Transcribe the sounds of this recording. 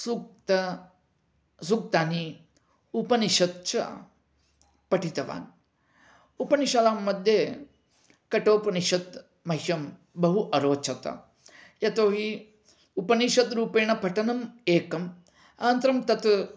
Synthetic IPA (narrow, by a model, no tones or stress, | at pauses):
suk̚t̪ɐ | s̬uk̚t̪aːni | upɐniʃɐt̪̚t͡ʃɐ̰ | pɐʈit̪ɐʋa̰ːn | upɐniʃaːlaːmːɐd̪ʱje | kɐʈoːpɐniʃɐt̪ | mɐɦʃɐm | bɐɦuʔɐɾoːt͡ʃʰɐt̪ɐ̰ | jɐt̪oːɦi | upɐniʃɐt̪ɾuːpeːɳɐpɐʈɐnɐmeːkɐm | aːnt̪ɾɐmt̪ɐt̪